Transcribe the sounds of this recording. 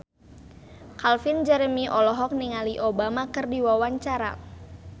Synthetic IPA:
kalfind͡ʒɛɾəmiʔɔlɔɦɔk̚niŋaliʔobamakɨrdiwawaɲt͡ʃaɾa̰

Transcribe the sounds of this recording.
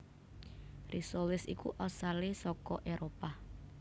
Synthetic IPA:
rʔisolɪsikuʔɔsalesɔkɔʔeɾopa

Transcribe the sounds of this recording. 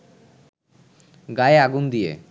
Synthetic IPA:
ɡaeaɡund̪ijḛ

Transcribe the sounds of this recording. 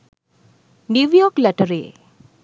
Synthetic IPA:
njuʋjɔklɛʈəɾe

